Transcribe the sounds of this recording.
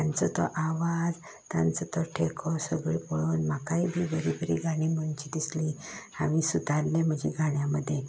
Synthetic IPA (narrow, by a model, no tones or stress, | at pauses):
t̪ant͡sɔt̪ɔʔaʋad͡z | t̪ja̰nt͡sɔt̪ɔʈʰekʰɔsəɡɭepɔɭonmakaibʱiːbəɾibəɾḭɡʱaɽ̃imənt͡ɕid̪isliamisud̪ʱaɾlẽm̤əd͡ʑiɡʱaɽjaməd̪ʱːje